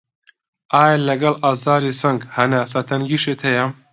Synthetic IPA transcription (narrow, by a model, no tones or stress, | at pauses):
ʔaːjalɐɡɐlaːzaːɾisɐŋɡhɐnasɐt̪ʰɐnɡiːʃet̪ʰɐjɐm